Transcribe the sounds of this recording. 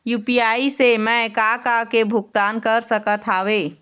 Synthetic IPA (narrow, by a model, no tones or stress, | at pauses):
jupiaisemɛkakakebʱuk̚t̪ankəɾsəkət̪ʰaʋe